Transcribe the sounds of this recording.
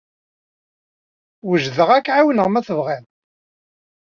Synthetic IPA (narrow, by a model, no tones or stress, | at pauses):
wəʒðəʁækːʕawnəʁmæθəvʁæn